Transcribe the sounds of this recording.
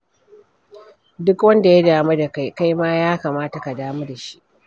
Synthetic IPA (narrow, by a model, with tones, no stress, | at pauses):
dʊ˦kwɐ˦nda˨ja˦daː˨mu˦da˨ka˦jka˦jmaː˦jaː˦kaː˨maː˦ta˨ka˨daː˦mu˦da˨ʃi̥˦ʔ